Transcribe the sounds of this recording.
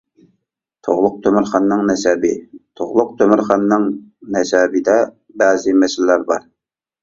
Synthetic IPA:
t̪ʰoʁlˠʊq̚t̪ʰømɪɾχɑnːɨŋnɛsɛbɪt̪ʰoʁlˠʊq̚t̪ʰømɪɾχɑnːɨŋnɛsɛbɪd̪ɛ | bɛːzɪmɛsɪllæɾbɑɾ

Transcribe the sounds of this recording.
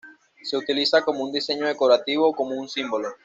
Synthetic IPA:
se̞ut̪ilisako̞mound̪ise̞ɲoðekoɾat̪iβokomounsimbolo

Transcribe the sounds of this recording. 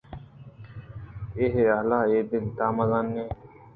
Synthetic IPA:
eɦealaːeːb̪ɪnt̪aːmɐzaːnːeː

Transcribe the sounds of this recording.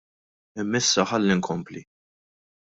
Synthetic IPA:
ɪmːɪsːɐħɐlːiŋkʰɔmpli

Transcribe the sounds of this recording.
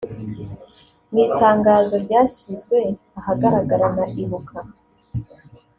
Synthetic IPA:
niːtaːŋɡaːzo̞ɾɟaːɕizɡwe̞ | ahaɡaɾaɡaɾanaʔiβukʰa

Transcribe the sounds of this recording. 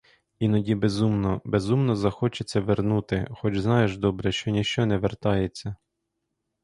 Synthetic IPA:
inɔdʲibe̞zumnɔbe̞zumnɔzɐxɔt͡ʃet͡sʲːɐʋernut̪ɪxɔd͡ʒznɑjeʒd̪ɔbɾɛʃt͡ʃɔnʲiʃt͡ʃɔnɛʋert̪ɑjet͡sʲːɐ

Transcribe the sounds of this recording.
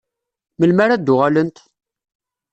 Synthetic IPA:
məlmaɾad̪ʊʁalənt̪

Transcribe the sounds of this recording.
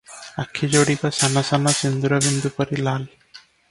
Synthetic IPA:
akʰːid͡ʒoɽikɔsanasanasind̪uɾɔbind̪upɔɾilal

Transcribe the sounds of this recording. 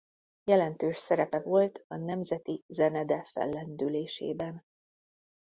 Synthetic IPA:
jɛlɛnt̪øːʃsɛɾɛpɛvo̞lt̪ɒnɛmzɛt̪izɛnɛd̪ɛfɛ̰lːɛnd̪yleːʃḛːbɛn

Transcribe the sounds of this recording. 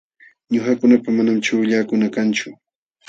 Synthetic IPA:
ɲʊhakʊnapamanamt͡ʃʊːʎaːkʊnakant͡ʃʊ

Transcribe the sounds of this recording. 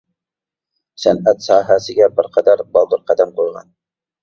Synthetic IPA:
sænæt̪sɑːɦæsɪɡʲɛbɪɾqʰɑd̪æɾbɑlˠd̪ʊɾqʰæd̪æmqʰojʁɑ̰n

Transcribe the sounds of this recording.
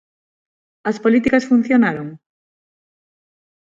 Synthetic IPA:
ɐspolit̪ikɐsfun̟θjonaɾoŋ

